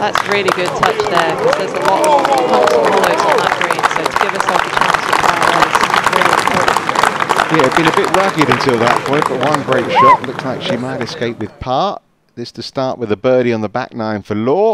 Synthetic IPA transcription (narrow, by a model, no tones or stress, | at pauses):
ðætsɹɪlˠiɡʊd̚tʰʌt͡ʃðə˞kʰʌz̥ðə˞zəlɔtəvhʌ̃ʊsə̃mhɔlˠəʊzn̩ðəʔ̚ɡ̥ɹĩnsəʊtʰəɡɪvəsɛlˠfət͡ʃʰæ̃nsətʰãɪ̃ɔɨsɹɪɾipʰɔ | jæɪd̚bɨ̃nɨbɪʔ̚ɹʌɡɪɾɨ̃ntʰɪlˠðət̚pʰɔ̃ɪ̃nb̥əʔ̚wʌ̃nɡɹeɪtʃɔʔlʊkslaɪkʃimaɪɾɨskeɪpwɨð̥pʰɑɹʔ | ðɨstʰəstɑɹʔwɨðəbɜːɾiə̃nðəba̰k̚nãɪ̃ɱfəlɔː